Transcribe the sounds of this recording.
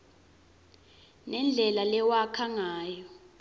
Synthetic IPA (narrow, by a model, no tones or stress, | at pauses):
nɛnd͡ɮʱɛlalɛwakʰaŋaːjɔ